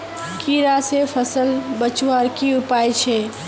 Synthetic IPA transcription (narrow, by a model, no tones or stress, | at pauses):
kiɾasepʰəsəlbət͡ʃwaɾkiʊpaːjt͡ʃʰɛ